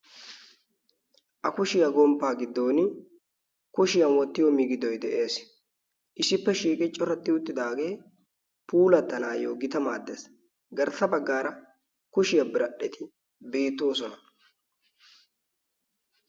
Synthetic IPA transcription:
ʔɐkʊʃɪjɐɡɔmpːaːɡɪd̪ːo̞ːn | kʊʃɪjɐnwɔt̪ːɪjɔmɪɡɪd̪ɔjd̪ɛʔe̞ːs | ʔɪsɪpːɛʃiːkʼɪt͡ʃʼɔɾɐt̪ːɪʊt̪ːɪd̪aːɡe̞ː | puːlɐt̪ːɐnaːjo̰ːɡɪt̪ɐma̰ːd̪ːḛs | ɡɐɾt̪ːɐbɐɡːaːɾɐ | kʊʃɪjɐbɪɾɐɗɛt̪ɪ | be̞ːt̪ːo̞ːs̬ɔnɐ

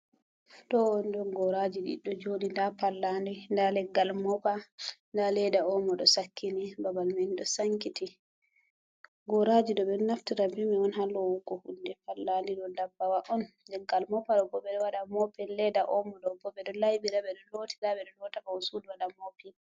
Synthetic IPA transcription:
ɗɔwɔndɔnɡɔɾad͡ʒiɗḭɗɔd͡ʒodindapalːandindalɛɡːalmɔpandalɛdaɔmɔɗɔsakʰːinibabalmɛnɗɔsaŋkiti | ɡɔɾad͡ʒiɗɔɓɛnaftiɾabimiɔnɦalɔwukːɔhundɛpalːandiɗɔndabːawaʔɔn | lɛɡːalmɔpaɗɔbɔɓɛɗɔwaɗamɔpɛnlɛdaʔɔmɔɗɔbɔɓɛɗɔlajbiɾaɓɛɗɔlotʰiɾaɓɛɗɔlɔtakaɔsudwaɗamɔpɛ

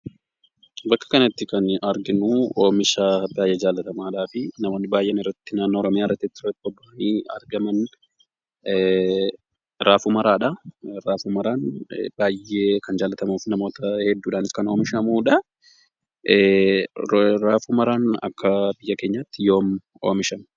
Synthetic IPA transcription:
bɐkːɐ̥kɐnɐt̪ːɪkɐnɐɾɡɪnuoːmɪʃaːbaːjʔɛːd͡ʒaːlːɐt̪ɐmaːᶑaːfɪnɐmo̞ːnːɪbaːjʔenɪrːɐt̪ːɪnaːnːoːɾɔmɪjaːɪrːɐt̪ːɛt̪ːɪrɐt̪ːɪbɔbːɐʔniːɐ̰ɾɡɐmɐn | ɾaːfumɐɾaːᶑɐɾaːfumɐɾaːnbaːjeːkɐnd͡ʒaːlɐt̪ɐmuːfnɐmo̞ːt̪ɐhɛd̪ːuːᶑaːnɪskɐno̞ːmɪʃɐmuːᶑɐ | ɾaːfuːmɐɾaːnɐ̰kːɐbɪjːɐke̞ːɲːat̪ːɪjo̞ːm | oːmɪʃɐn

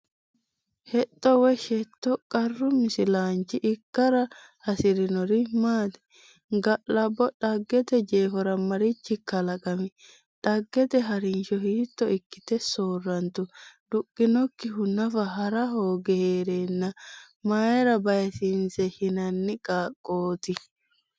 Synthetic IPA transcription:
hɛt̪ʼːɔwɛʃɛt̪ːɔkʼɐrːʊmɪsɪlaːnt͡ʃːɪʔɪkːɐɾɐ | ɐsɪɾɪnɔɾɪmaːt̪ɛ̥ | ɡɐʔlɐbːɔᶑɐɡːɛt̪ɛd͡ʒeːfɔɾɐmɐɾɪt͡ʃːɪkːɐlɐkʼɐmɪ | ᶑɐɡːɛt̪ɛɦɐɾɪnʃɔhiːt̪ːɔɪkːɪ̥t̪ɛsoːrːɐnt̪ʊd̪̥ʊkʼːɪnɔkːɪɦʊnːɐfɐɦɐɾɐhoːɡɛheːɾenːɐ | majɛɾɐbɐjɛsɪnsɛhɪnɐnːɪkʼaːkʼːoːt̪ɪ

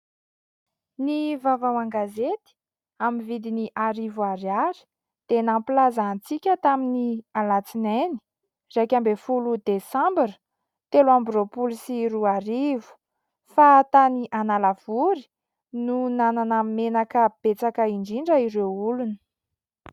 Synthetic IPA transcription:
nivavawaŋɡazet̪i̥ | amivid̪iniʔaɾivuaɾiaɾi̥ | d̪̥enamplazant͡sikʲət̪aminialat͡sineni̥ | rejkʲambefulud̪esãmbiɾə̥ | t̪eluambropulisiɾuaɾivu̥ | fat̪aniʔanalav̥uɾi̥ | nunananamenakəb̥et͡sakəiɳɖ͡ʐiɳɖ͡ʐəiɾewulunə̥

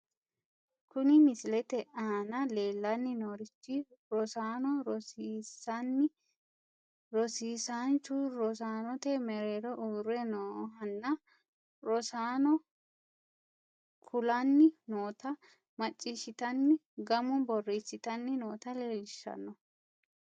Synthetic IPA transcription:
kʊnɪmɪsɪlɛt̪ɛʔaːnɐleːlːɐnːɪnoːɾɪt͡ʃːɪɾɔsaːnɔɾɔsisɐnːɪ | ɾɔsiːsaːnt͡ʃuɾɔs̬aːnɔt̪ɛmɛɾeːɾɔʔʊɡɾɛnoːɦɐnːɐ | ɾɔsaːnɔ | kʰʊlɐnːɪnoːt̪ɐ | mɐt͡ʃʼːiːʃɪt̪ɐnːɪɡɐmʊbɔrːiːsːɪt̪ɐnːɪnoːt̪ɐleːlɪʃːɐ̰nːɔ

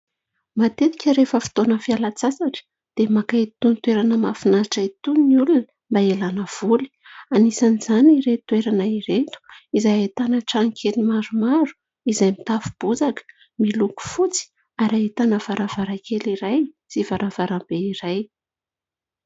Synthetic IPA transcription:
mat̪et̪ikʲəɾefəfi̥t̪onəfialat͡sasaʈ͡ʂə̥ | d̪̥emakat̪unit̪weɾanəmafinaʈ͡ʂait̪uniulunə | mbaelanəv̥uli̥ | anisanizaniɾet̪weɾanaiɾet̪u̥izajet̪anəʈ͡ʂaŋkʲʰelimaɾumaɾu̥ | izajmit̪afu̥b̥uzakə̥ | miluku̥fut͡si̥ | aɾaet̪anəvaɾʔavaɾakeliɾaj | z̥ivaɾʔavaɾambeiɾaj

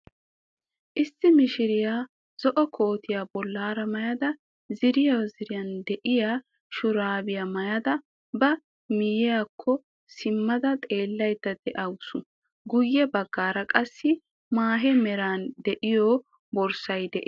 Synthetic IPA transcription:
ʔɪsːɪmɪʃɪɾɪjaː | z̥ɔʔɔkʰo̞ːt̪ɪjaːbɔlːaːɾɐmɐjɐd̪ɐ | zɪɾɪjawzɪɾɪjɐnd̪ɛʔɪjaː | ʃʊɾaːbɪjamɐjɐd̪ɐ | bɐ | mɪjɪjaːkʰːɔ | sɪmːɐd̪ɐt̪ʼe̞ːlːɐjt̪ːɐd̪̥ɛʔɐwʊsʊ | ɡʊjːɛbɐɡːaːɾɐkʼɐsːɪ | maːɦɛmɛɾaːnd̪ɛʔɪjɔ | bɔɾsɐjd̪ɛʔɪ

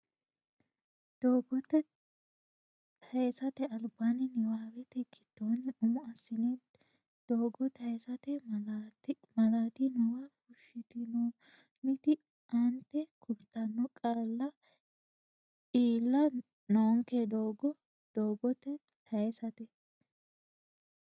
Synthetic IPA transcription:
d̪̥oːɡɔt̪ːɛ | t̪ʰɐjɛsɐt̪ɛɐlbanɪnɪwaːwɛt̪ɛkɪd̪̥ːoːnɪʔʊmʊɐsːɪnɛ | d̪̥oːɡɔt̪ɐɛsɐt̪ɛ | mɐlaːt̪ɪnɔwɐkʊʃɪt̪ɪnɔ | mɪt̪ɪ | ʔɐnt̪ːɛkʰʊɾt̪ːɐnːɔkʼaːlːɐ | iːlːɐ | nɔɔŋkɛd̪oːɡɔ | d̪̥oːɡɔt̪ːɛ | t̪ʰɐjɛsɐt̪ɛ

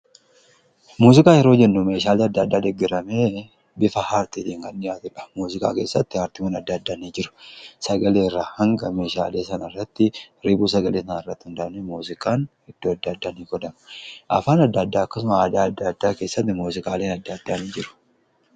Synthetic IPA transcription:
muːsɪkʼaːjɛɾo̞ːd͡ʒɛnːʊme̞ːʃaːleːɐd̪ːaːd̪ːaːd̪ɛɡːɛɾɐme̞ː | bɪfɐhaːɾt̪it̪iːŋɡɐnːɪjaːt̪ʊᶑɐ̥muːzɪkʼa̰ːke̞ːsːɐt̪ːɪhaːɾt̪ɪmɐnɐd̪ːɐd̪ːaniːd͡ʒɪɾʊ̥sɐɡɐleːɪrːaːhɐŋɡɐme̞ːʃa̰ːle̞ːsɐnɐɪrːɐt̪ːɪ | ɾɪbuːs̬ɐɡɐleːsɐnanɪrːɐt̪ːɪhʊnd̪ɐʔɐnːɛmuːsɪkʼaːnhɛd̪̥ːoːɐd̪ːɐːd̪ːaːniːɡɔd̪ɐmɐʔɐ̰faːnɐd̪ːɐd̪ːaːɐkːɐsʊmɐaːd̪aːɐd̪ːɐd̪ːaːke̞ːsːɐt̪ːɪmuːsɪkʼaːle̞ːnɐd̪ːɐːd̪ːaːniːd͡ʒɪɾʊ̥

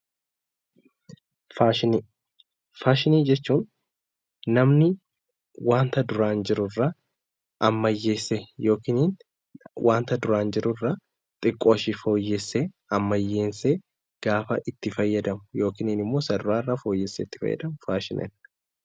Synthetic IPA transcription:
faːʃɪni | faːʃɪniːd͡ʒɛt͡ʃːuːnː | ɐmnɪ | waːnt̪ɐd̪ʊɾaːnd͡ʒɪɾʊrːɐ | ʔɐmːɐjːeːsːejo̞ːkɪniːn | wʔaːnt̪ɐd̪ʊɾaːnd͡ʒɪɾʊrːɐ | t̪ʼɪkʼːoːʃɪfo̞ːjːɛsːe | ɐmːɐjːe̞ːnseː | ɡ̥aːfɐʔɪt̪ːɪfɐjːɐd̪ɐmʊjo̞ːkɪniːnɪmːoːsɐd̪ʊɾaːɪrːafo̞ːjːɛsːɛːt̪ːɪ̥fɐ̰jːɐ̰d̪ɐmʊfaːʃɪnɛ̰n

